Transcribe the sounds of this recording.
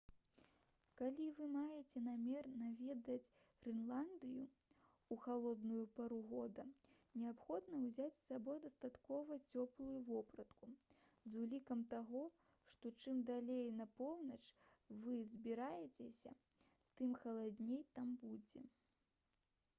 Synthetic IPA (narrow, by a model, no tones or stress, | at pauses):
kalʲivɨmajɛt͡sʲɛnamʲɛrnavʲɛd̪ɐt͡sʲ | fʲinlˠand̪ɨjṵ | uxalˠɔd̪nujupaɾuɣɔd̪ɐnʲɛapxɔd̪nɐwzʲat͡sʲsabɔjd̪ɐst̪at̪kɔvɐt͡sʲɔplˠujuvɔpɾɐt̪kuzulʲikɐmt̪aɣɔ | ʂt̪ɔt͡ʂɨmd̪alʲejnɐpɔwnɐt͡ʂvɨzʲbʲiɾajɛt͡sʲɛsʲɐ̰ | t̪ɨmxɐlˠad̪ʲnʲejt̪ambud͡zʲɛ